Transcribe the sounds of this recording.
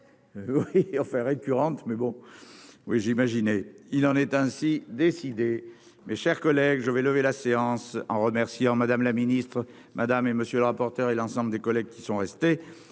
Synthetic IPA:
wiɑ̃fɛ̃ʁekʲyʁɑ̃t̪mɛbɔ̃ | wiʒimaʒinɛilɑ̃nɛt̪ɛ̃sid̪esid̪e | mɛʃɛʁkɔlɛɡʒəvɛləvelaseɑ̃sɑ̰̃ʁəmɛʁsjɑ̃mad̪amlaminist̪χ | mʔad̪ameməsjøləʁapɔʁt̪œʁelɑ̃sɑ̃bləd̪ekɔlɛɡ̚kʲi̥sɔ̃ʁɛst̪e

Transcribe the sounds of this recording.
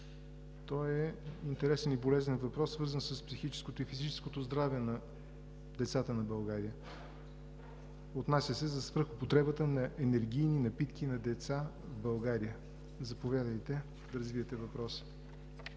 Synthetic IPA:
t̪ɔjɛint̪ɛɾɛsɛnibolɛzɛnvɐpɾɔsːvɤɾzənsəspsixit͡ʃɛ̥skot̪oifizit͡ʃɛ̥skot̪ozd̪ɾavɛnɐ | d̪ɛt̪sat̪ənɐbɐlˠɡaɾijə | ot̪nasʲjəsɛzɐsvɾəxopot̪ɾɛbət̪ənɐʔɛnɛɾɡ̟ʲijninɐpit̪kinɐd̪ɛt̪sa | vbɐlˠɡaɾiə | zɐpovʲjad̪əjt̪ɛ | d̪ɐɾɐzviət̪ɛvɐpɾɔsə̥

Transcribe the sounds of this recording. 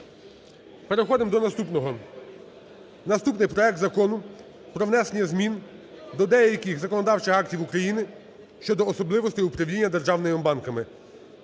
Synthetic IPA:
peɾexɔd̪ɪmd̪ɔnɐst̪upnɔɦɔ | nɐst̪upnɪjpɾɔɛk̚t̪zɐkɔnʊ | pɾɔʋnɛsenʲjɐzmʲind̪ɔd̪ɛjɐjɐkʲixzɐkɔnɔd̪ɑwt͡ʃɪxɑk̚tʲiwukɾɐjinɪ | ʃt͡ʃɔd̪ɔːsɔblˠɪʋɔst̪ɪjʊpɾɐwlʲinʲːɐd̪erʒɑwnɪmɔmbɑnkɐmɪ

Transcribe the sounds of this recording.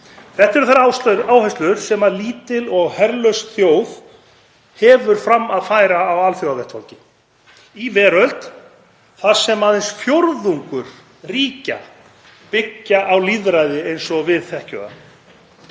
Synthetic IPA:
θɛht̪ɛɾʏθaɾawsaːwhɛst̪lʏɾ̥sɛmaðliːt̪ɪlɔɣhɛɾlœsθjoːwð | hɛvʏɾ̥fɾamːaðfaːjɾaːwalθjowavɛht̪fɔ̰lcɪ | ivɛːɾœlt̪ | θḁsɛmaðɪnsfjoɾðuŋkʏɾ̥ | riːca̰ | pɪcːaʔawliðɾajðɪejnsɔvɪðθɛhcœ̰ːða̰

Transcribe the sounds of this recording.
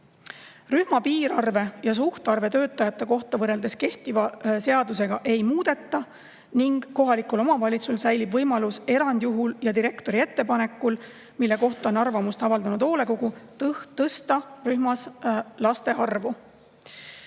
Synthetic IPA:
ryhmɑpiːɾɑrve̞jɑs̬uht̪ɑrve̞t̪ø̞ːt̪ːˑɑjɑt̪ːˑe̞ko̞ht̪ɑvɤre̞ld̪̥e̞ske̞ht̪ivɑse̞ɑd̪use̞ɡ̥ɑʔe̞jmuːd̪̥e̞t̪ːˑɑ | niŋɡ̥ːo̞ɦɑlikulo̞mɑvɑlʲit̪sulsæjlibvɤjmɑluse̞ɾɑnd̪̥juɦuljɑd̪iɾe̞kt̪o̞ɾie̞t̪ːe̞pɑne̞kːˑul | milːe̞ko̞ht̪ɑo̞nɑrvɑmust̪ɑvɑld̪̥ɑnud̪o̞ːle̞ko̞ɡ̥ut̪t̪ɤst̪ɑryhmɑslɑst̪e̞ɑrvu

